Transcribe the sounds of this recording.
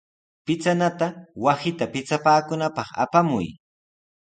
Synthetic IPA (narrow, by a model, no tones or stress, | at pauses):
pɪt͡sanat̪awasɪt̪apɪt͡sapaːkʊnapɑχa̰pamʊ̰j